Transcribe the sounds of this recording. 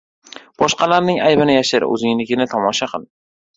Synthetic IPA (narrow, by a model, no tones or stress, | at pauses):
b̥ɒʃqʰɑlaɾnɪŋajbɪnɪjaʃɪɾɵ̰zɪŋlɪɡʲɪnɪt̪ʰɒmɒʃaqʰɨlˠ